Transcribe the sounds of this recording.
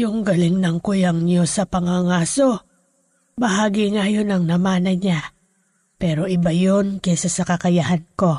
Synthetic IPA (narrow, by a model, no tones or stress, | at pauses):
jʊŋɡɐlɪŋnɐŋkʊjɐŋɲosɐpɐŋaŋaːso̞ | bɐɦaːɡiŋajonɐŋnɐmaːnɐɲa | pɛːɾo̞ʔɪbajonkɛsɐsɐkɐkɐjahɐnko̞